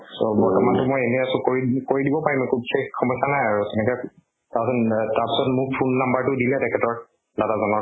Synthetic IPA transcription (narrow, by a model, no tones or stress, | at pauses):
sobɔɹtɔmantʊmojenɛjasɔkoɹikoɹidibɔpaɹimkʰub̚kexxɔmɔjsanajaɹusɛnɛkɛ | taɹsɔtaɹpi̥sɔtmuk̚pʰunːambaɹtʊdilɛtɛkʰɛtɔɹ | dadazɔnɔ